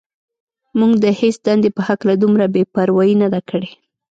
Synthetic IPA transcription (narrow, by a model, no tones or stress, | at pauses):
muɡd̪əhesd̪and̪epəhaklad̪umɾabepaɾwajinad̪akəɽe